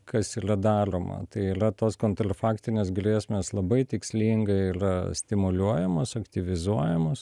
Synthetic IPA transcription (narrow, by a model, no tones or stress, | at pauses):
kʰɐsiːrɐd̪ɑːroːmɐ̰t̪ɐɪiːɾɐt̪oːskoːnt̪ɾɐfɑːkt̪ʲɪnʲeːs̬ɡrʲeːsʲmʲeːslˠɐbɐɪt̪ʲɪksʲlʲiːŋɡɐɪiːɾɐsʲt̪ʲɪmʊlʲuɔjɛmoːsɐkt̪ʲɪʋʲɪzuɔjɛmoːs